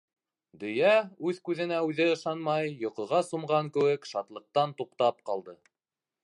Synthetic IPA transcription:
d̪ɵ̆jæʉðkʉðɘ̆næʉðɘɤ̆ʃɑnmɑjːŏqŏʁɑsŏmʁɑŋkɘ̆wɘkʃɑt̪lˠɤ̆q̚t̪ɑnt̪uqt̪ɑp̚qɑlˠd̪ɤ

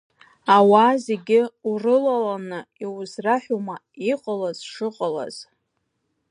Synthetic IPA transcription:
awaːzeɡʲɪurɨlalanɨiwzraħuma | iqʼalazʂɨqʼala̰z̥

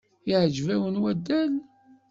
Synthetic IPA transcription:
iʕd͡ʒvæwənwæd̪ːæl

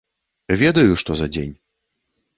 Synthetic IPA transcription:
vʲɛd̪ɐjuʂt̪ɔzɐd͡zʲḛnʲ

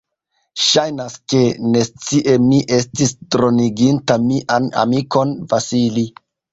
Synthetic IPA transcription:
ʃajnaske̞ne̞st͡siʔe̞miʔe̞stistɾo̞niɡintamiʔana̰miko̞nfasili

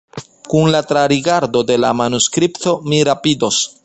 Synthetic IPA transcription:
kunlatɾaɾiɡaɾdo̞de̞lamanuskɾipto̞miɾapido̞s

